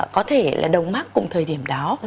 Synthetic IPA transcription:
kɔ˨˦t̪ʰe˧˩la̰ː˨˩ɗə˨˩wŋ͡mmaː˦˥kʊ̰˨˧˩ŋ͡mt̪ʰəː˨˩jɗi˧˩əmɗaː˨˦w

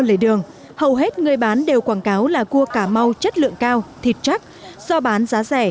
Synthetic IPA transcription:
lə̰ː˧˩jɗɨ˨˩əŋ | hə˨˩wɦe˦˥t̚ŋɨ˨˩əjɓaː˨˦nɗe˨˩wkwaː˧˩nkaː˨˦wlaː˨˩ku˧əkaː˧˩ma˧wt͡ɕə˦˥t̚lɨ̰˧˨əŋkaː˧wt̪ʰi˨˩t̚t͡ɕa˦˥k̚z̥ɔ˧ɓaː˨˦nzaː˨˦zɛ˧˩

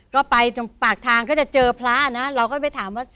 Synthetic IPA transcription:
kɔː˥˩pa˧jpaː˨˩k̚t̪ʰaː˧ŋkɔː˥˩t͡ɕa˨˩t͡ɕɤː˧pʰla˦˥˨na˦˥ɾa˧wkɔː˥˩pa˧˩jt̪ʰaː˩˦mwaː˥˩

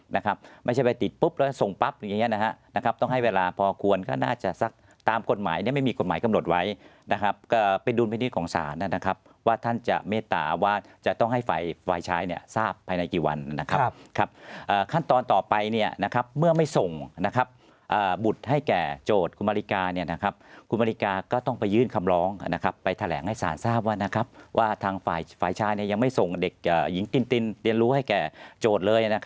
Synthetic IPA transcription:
na˦˥kʰa˦˥p̚ma˥˩jt͡ɕʰa˥˩pa˧t̪i˨˩t̪̚pu˦˥p̚lɛː˦˥˩so˨˩ŋpa˦˥p̚ja˨˩ŋːi˦˥ɐ˨na˦˥ha˦˥ʔna˦˥kʰa˦˥p̚t̪ɔ˥˩ŋɦa˥˩jweː˧laː˧pʰɔː˧kʰu˧ənkɔ̰ː˥˩naː˥˩t͡ɕa˨˩sa˦˥k̚ | t̪aː˧mko˨˩t̪̚maː˩˦jni˥˩ma˥˩jmiː˧ko˨˩t̚maː˩˦jka˧mno˨˩t̪̚wa˦˥jna˦˥kʰa˦˥p̚kɔː˥˩pe˧nduː˧mpa˧ni˦˥t̪̚kʰɔː˩˦ŋsa̰ː˩˦na˥˩na˦˥kʰa˦˥p̚ | waː˥˩t̪ʰa˥˩nt͡ɕa̰˨˩meː˥˩t̪a̰ː˨˩waː˥˩t͡ɕa˨˩ʔt̪ɔ˥˩ŋɦa˥˩jfa˧jfa˧˩jt͡ɕʰaː˦˥jni˥˩ɐsaː˥˩pʰːaː˧jna˧jkiː˨˩wa̰˧nna˦˥kʰa˦˥kʰa˦˥p̚ʔəː˨˩kʰa˥˩nt̪ɔː˧nt̪ɔː˨˩pa˧jni˥˩ɐna˦˥kʰa˦˥p̚mɯ˥˩ɐma˥˩jso˨˩ŋna˦˥kʰa˦˥p̚ | ʔəː˨˩bu˨˩t̪̚ha˥˩jkɛː˨˩t͡ɕoː˨˩t̪̚kʰu˧nmaː˧li˦˥kaː˧ni˥˩ɐna˦˥kʰa˦˥p̚kʰu˧nma˧i˦˥kaː˧kɔː˥˩t̪ɔ˥˩ŋpa˧jːɯː˥˩nkʰa˧mɾɔː˦˥ŋna˦˥kʰa˦˥pːa˧jt̪ʰa˧lɛ̰ː˩˦ŋha˥˩jsa̰ː˩˦nsaː˥˩p̚waː˥˩na˦˥kʰa˦˥˩p̚wʔaː˥˩t̪ʰaː˧ŋfaː˨˩jfaː˨˩jt͡ɕʰaː˧˦˥jni˥˩ɐja˧ŋma˥˩jso˨˩ŋde˨˩k̚ʔəː˨˩ji˩˦ŋt̪i˧nt̪i˧nli˧ənɾuː˦˥ha˥˩jkɛː˨˩t͡ɕoː˨˩t̪̚lɤː˧jna˦˥kʰ

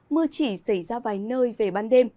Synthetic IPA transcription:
mɨ˧ət͡ɕi˧˩sa˧˩jzaː˧vaː˨˩jnəː˧jve˨˩ɓaː˧nɗe˧m

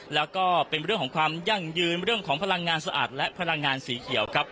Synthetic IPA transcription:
lɛː˦˥wkɔː˥˩pe˧nɾɯ˥˩kʰɔː˩˦ŋkʰwaː˧mja˥˩ŋjɯː˧nɾɯ˥˩əŋkʰɔː˩˦ŋpʰa˧la˧ŋːaː˧nsa˧ʔa̰ː˨˩t̪̚lɛ˦˥ʔpʰa˧la˧ŋːaː˧nsiː˩˦kʰi˨˩˦əwkʰɾa˦˥p̚

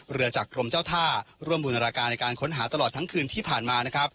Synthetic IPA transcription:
ɾɯ˧ɐt͡ɕaː˨˩kːɾo˧mt͡ɕaː˥˩wt̪ʰaː˥˩ɾu˥˩əmbuː˧n˧ɾaː˧kaː˧nːa˧jkaː˧nkʰo˦˥nɦaː˩˦˥t̪a˧lɔː˨˩t̪ʰːa˦˥ŋkʰɯː˧nt̪ʰiː˥˩pʰaː˨˩nmaː˧na˦˥kʰɾa˦˥p̚

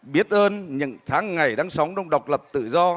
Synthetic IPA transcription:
ɓi˦˥ət̚ʔəː˧nɲɨ̰˧˥ŋt̪ʰaː˨˦ŋːa˨˩jɗaː˧ŋsa˨˦wŋ͡mɗə˧wŋ͡mɗə˨˩wk͡p̚lə˨˩p̚t̪ɨ̰˧˨zɔ˧

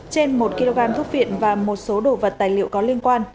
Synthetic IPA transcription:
t͡ɕe˧nmo˨˩t̚ki˧lo˧ɣaː˧mt̪ʰʊ˦˥p̚vḭ˧˨ənvaː˨˩mo˨˩t̚so˨˦ɗo˨˩və˨˩t̚t̪aː˨˩jlḭ˧˨əwkɔ˨˦li˧ənkwaː˧n

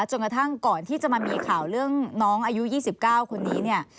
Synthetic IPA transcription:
t͡ɕo˧nka˧t̪ʰa˥˩ŋkɔː˨˩nt̪ʰiː˥˩t͡ɕa˨˩maː˧miː˧kʰaː˨˩wɾɯ˥˩əŋnɔː˦˥ŋʔaː˧ju˦˥jiː˥˩si˨˩p̚kaː˥˩wkʰo˧nːiː˦˥ni˥˩ɐ

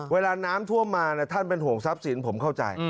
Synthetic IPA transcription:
weː˧laː˧naː˦˥mt̪ʰu˥˩əmːaː˧nɛ˦˥˩t̪ʰa˥˩npe˧nɦu˨˩əŋsa˦˥p̚si˩˦npʰo˩˦mkʰa˥˩wt͡ɕa̰˧j

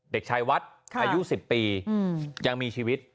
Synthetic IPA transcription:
de˨˩k̚t͡ɕʰa˧jwa˦˥t̪̚kʰaː˧ju˦˥si˨˩pːiː˧ | ja˧ŋmiː˧t͡ɕʰiː˧wi˦˥t̪̚

